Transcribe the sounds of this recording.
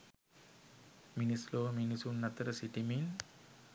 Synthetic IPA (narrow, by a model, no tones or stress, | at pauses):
minisloːminisunːat̪əɾəsiʈimin